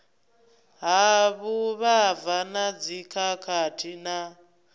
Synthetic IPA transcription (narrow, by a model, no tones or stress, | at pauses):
ɦaβuβavanad͡zikʰakʰatʰina